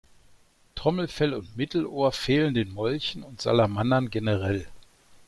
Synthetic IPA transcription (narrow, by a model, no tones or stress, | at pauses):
tʁ̥ɔml̩fɛlʊntmɪtl̩ʔoːɐfeːləndeːnmɔlçn̩ʊntz̥a̰lamanɐnɡenəʁɛl